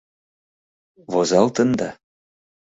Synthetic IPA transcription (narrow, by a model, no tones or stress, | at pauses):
vozɑlt̪ə̆nd̪ɑ